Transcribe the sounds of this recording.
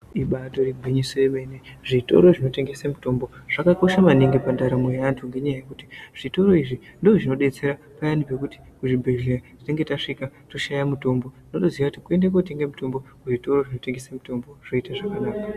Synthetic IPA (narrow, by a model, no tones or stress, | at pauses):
iɓato̞riɡʱwiɲisojeme̞neʐito̞̰ɾo̞ʐino̞te̞ŋɡe̞samuto̞mbo̞ʐ̥akako̞ʃamaniŋɡepandaɾamwejantʰuŋɡe̞ɲajaje̞kutiʐ̥ito̞ɾo̞iʐindoʐino̞ɗe̞t͡se̞ɾa | pajanipe̞kuti̥ | kuʐibʱe̞ɮeratite̞ŋɡe̞taʂikato̞ʃajamuto̞mbo̞inotoziʋakuti̥kue̞ndak̬ot̬eŋɡemuto̞mbo̞kuʐito̞ro̞ʐino̞te̞ŋɡe̞samuto̞mbo̞ʐ̥o̞itaʐakanaːka